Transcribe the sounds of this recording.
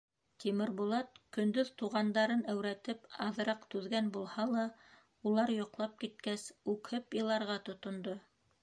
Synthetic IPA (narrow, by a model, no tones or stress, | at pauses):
t̪imɘ̆ɾbulˠɑt̪̚kɵ̆nd̪ɵðt̪uʁɑnd̪ɑɾɤnæwɾæt̪ɘpɑðɤ̆ɾɑqt̪ʉðɡænbulˠhɑlˠɑ | ulˠɑɾjŏqlˠɑp̚kit̪̚kæsʉkhɘpjɤ̆lˠɑɾʁɑt̪ŏt̪ŏnd̪o